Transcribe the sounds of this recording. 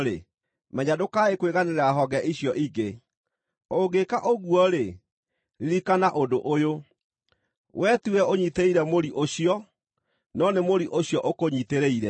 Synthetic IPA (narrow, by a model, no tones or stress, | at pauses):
ɾe | mɛɲadokaekweɣaneɾaɦɔɣɛʔiɕjɔʔiɡe | oɡekaʔoɣwɔɾe | ɾiɾikanaʔodoʔojo | wʔɛtuɛoɲiteiɾɛmoɾiʔoɕiɔ | nɔnemoɾiʔoɕjɔʔokoɲiteɾeiɾɛ